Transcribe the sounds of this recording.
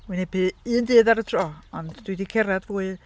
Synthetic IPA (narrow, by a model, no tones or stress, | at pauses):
winɛpʰɨːndɨːðaɾətʰrɔːɔndd̥wɨdikʰɛɾadvuːɨ